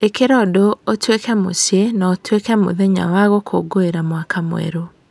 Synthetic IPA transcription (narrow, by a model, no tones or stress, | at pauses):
ekeɾɔdootwekɛmosjenaotwekɛmo̰ðɛɲa̰waɣokʰo̰ɡoeɾamwakamw̰ɛ̰ɾo